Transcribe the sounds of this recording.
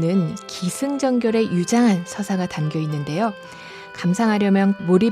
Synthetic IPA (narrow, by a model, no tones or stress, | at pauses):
nɯnkisʰɯŋd͡ʑʌŋɡjoɾe̞jud͡ʑaŋɦansʰʌsʰaɡatamɡjʌinːɯnde̞jo | kamsʰaŋɦaɾjʌmjʌnmuɾi